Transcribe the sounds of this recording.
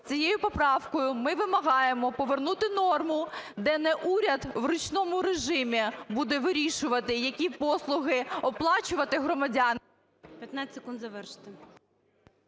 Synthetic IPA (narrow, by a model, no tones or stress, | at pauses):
t͡sʲijejʊpɔpɾɑwkɔjʊmɪʋɪmɐɦɑjemɔpɔʋernut̪ɪnɔrmʊd̪ɛnɛʔuɾʲɐd̪wɾʊt͡ʃnɔmʊɾeʒɪmʲibud̪ɛʋɪɾʲiʃʊʋɐt̪ɪjɐkʲipɔslˠʊɦɪɔplˠɑt͡ʃʊʋɐt̪ɪɦɾɔmɐdʲɑn | pʲjɐt̪nat͡sʲsʲekund̪zɐʋɛrʃt̪e